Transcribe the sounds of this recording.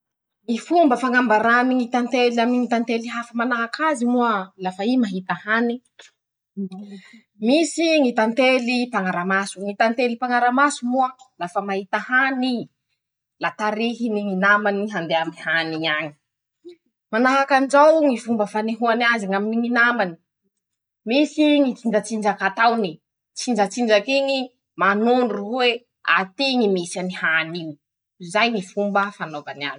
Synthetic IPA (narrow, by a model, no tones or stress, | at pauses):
ŋifumbəfaŋambaɾaniŋit̪ant̪elamniŋit̪ant̪eliɦafəmanaɦakazimuəlafaimaɦit̪ahani | misiŋit̪ant̪elipaŋaɾamasuŋit̪ant̪elipaŋaɾamasumuəlafəmahit̪ahani | lat̪aɾiɦiniŋinamaniɦand̪eamihaniaŋi̥ | manaɦakand͡ʒawŋifumbəfaneɦuanazaŋaminiŋinamani̥ | misiŋit͡sind͡ʒət͡sind͡ʒakat̪awni | t͡sind͡ʒat͡sind͡ʒakiŋi | manuɳɖ͡ʐuɦwe | a̰t̪iŋimisanihaniɲi | zajŋifumbəfanovana̰n